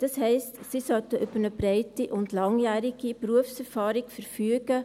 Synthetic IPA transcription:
d̥ɑshɛɪstsisœltəʔʏbənəbɾɛɪtiʔʊndlɑŋjæːɾɪɡ̥ipɾuəfsɛɾfɑːɾɪkfəɾfyːəɡə

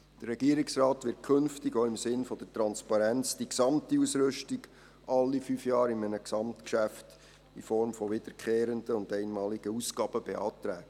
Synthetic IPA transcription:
d̥ərɛɡ̥iəɾɪksɾɑːt̪ʋɪɾt̚kʰɵnftɪɡoːɪmsɪnfɔd̥ətɾɑnspɑɾɛnt͡sd̥iksɑmtiuːsɾʏʃtiɡ̥ | ʔɑlːifyfjɑːɾɪmənəksɑmt̪kʃæft | ifɔɾmfɔʋɪd̪̥əɾkʰχeːɾənd̪əʊndɛɪnmɑːliɡ̥əusɡ̥ɑːb̥əb̥eɑ̰ːtɾæː

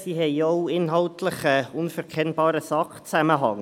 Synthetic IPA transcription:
siːɦɛɪoʊɪnɦɑltʰlɪχəʊnfɛʁkʰɛnb̥ɑːɾəsɑχt͡sæməɦɑŋ

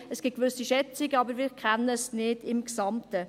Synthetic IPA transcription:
ɛsɡ̥ɪt̚ɡvʏsiʃɛt͡sɪɡəɑːbəɾmɪːɾkʰɛnəsnɪdɪmksɑmtə

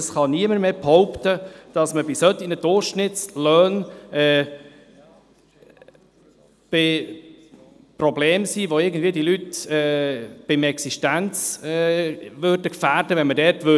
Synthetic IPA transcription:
sχɑniəməɾmeːphɔʊpt̪əd̥ɑsməbisœt̪ɪɡnəd̥ʊʃnɪtt͡slœːnɛː | b̥ɪ | prɔbleːmsiːʋoɪɡən̩d̪viːədilytɛːb̥ɪmɛksiʃtænt͡sɛʋøːɾdəkfæːɾdəvɛnmədɛːɾtʋø

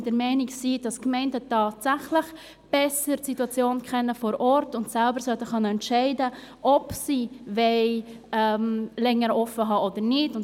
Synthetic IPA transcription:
d̥əɾmɛɪniksiːd̥ɑskmɛɪndətɑːtsaχləχ | b̥ɛsəɾtsituɑt͡sjoːnkʰχɛnːəfɔɾʔɔɾtʊntsɛlbəɾsœtəχɑnəɛntʃɛɪdə | ʔɔpsivɛɪ | ɛmlɛŋːəɾɔfəɦɑːʔodənɪtʊn

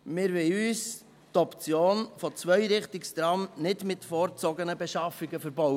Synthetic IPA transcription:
mɪːɾʋɪɪyːs | tɔpt͡sjoːnfɔt͡sʋœʏɾɪχtɪkst̪ɾɑmnɪdmɪtfɔːɾt͡sɔɡənəbɛʃɑfiɡəfəɾbɔwə

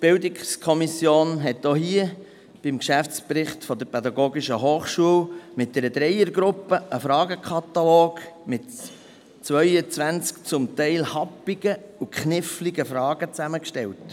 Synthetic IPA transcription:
b̥ɪldɪkskʰɔmisjoːnɦɛtːohiə | b̥ɪmkʃæft͡spɾɪχtfɔd̪əɾpʰɛd̪ɑɡoːɡiʃəɦoːχʃuəlmɪt̚d̥ɛɾəd̥̪ɾɛɪəɾɡɾʊpːəʔəfɾɑːɡəkʰχɑt̪ɑloːɡmɪt | t͡sʋœʏət͡sʋænt͡skt͡sʊmtɛɪlhɑpːiɡəukχnɪfliɡəfɾɑːɡ̥ət͡sæməkʃtɛlt

